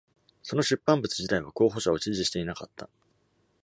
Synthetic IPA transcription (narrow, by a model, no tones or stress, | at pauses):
so̞no̞ɕɨpːãmbɯ̟t͡sɨd͡ʑit̪aiβ̞ako̞ːɦo̞ɕao̞t͡ɕiʑiɕi̥t̪e̞inakat̪ːa